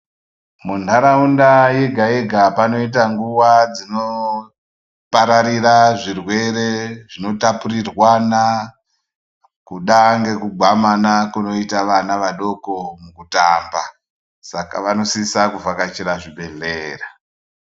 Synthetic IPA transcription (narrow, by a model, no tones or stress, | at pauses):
mundaɾaundajeɡʱaeɡʱapano̞it̬aŋɡuʋad͡zino̞ | paɾaɾiraʐirwe̞ɾe̞ʐino̞tapurirwana | kuɗaŋɡe̞kuɡʱamanakuno̞itaʋanaʋaɗo̞ko̞mukutaːmba | saka̰ʋano̞sisakuvakat͡ʃiɾaʐiɓe̞ɮeːra